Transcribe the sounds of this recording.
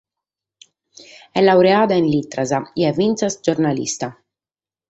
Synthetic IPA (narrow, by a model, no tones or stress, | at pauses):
ɛlːawɾeaːd̪ainlit̪ːɾazaiɛvːint̪sasd͡ʒoɾnalḭst̪a